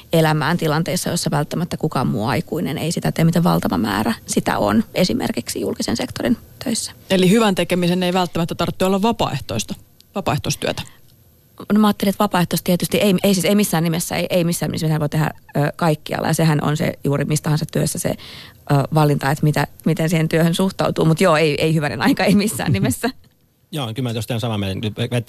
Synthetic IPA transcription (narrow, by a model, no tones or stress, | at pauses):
elæmæːnt̪ilɑnt̪eisːɑjosːɑʋælt̪ːæmæt̪ːækukɑomuɑikuinḛnḛisit̪æt̪eːmit̪eʋʋɑ̰lt̪ɑʋɑ̰mæ̰ːræsit̪æ̰o̰nesimʔḛrkiksijulkisensekt̪orint̪øisːæ̥elihyʋænt̪ekemiseneiʋælt̪ːæmæt̪ːæt̪ɑrt̪ːiolːɑʋʋɑpɑ̰eht̪oist̪ɑ̥ | ʋɑpɑˑeht̪oist̪yøt̪æ̥ | nomɑːt̪ːeliet̪ʋɑpɑːˑeht̪ost̪iet̪yst̪iʔeieisiːseimisːæːnnimesːæ̰ḛiʔeimisːæːnḭesmit̪æʋoit̪ehæ̰øːkɑikːiɑ̰lːɑ̰jɑsehænʔo̰nsḛjuːrimist̪ɑhɑnsɑt̪t̪yø̰sːæsḛ | ʔəːʋɑlːint̪ɑet̪mit̪æmit̪ensiːhent̪yøhønsuht̪ɑ̰ut̪uːmut̪joːeieihyʋænḛnɑ̰ikɑeimisːæ̰ːnnimesːæ | joːkylmæt̪ost̪eænsɑmɑmelnyt̪ʋeʋet̪ʲ